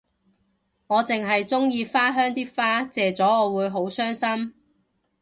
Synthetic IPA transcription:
ŋɔː˨˧t͡sɪ˨ŋɦɐ˨jt͡sʊ˥ŋjiː˧faː˥ɦœː˥ŋt̪iː˥faː˥t͡sɛː˨˧t͡sɔː˨˥ŋɔː˨˧wuː˨˧jɦo˨˥wsœː˥ŋsɐ˥m

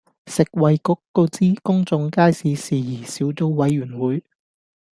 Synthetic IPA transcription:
sɪ˨k̚wɐ˨jkʊ˨˥kːo˧wt͡siː˥kʊ˥ŋt͡sʊ˧ŋkaː˥jsiː˨˧siː˨˩jiː˨˩siː˨˥wto˧wwɐ˨˥jːyː˨˩nwuː˨˥j

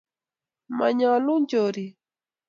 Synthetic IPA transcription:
ma̰˨ɲa˨lu˦ɲd͡ʒo˨ɾi˨

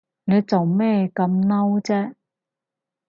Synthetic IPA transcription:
ne˨˧jt͡so˨wmɛː˥˩kɐ˧mnɐ˥wt͡sɛː˥

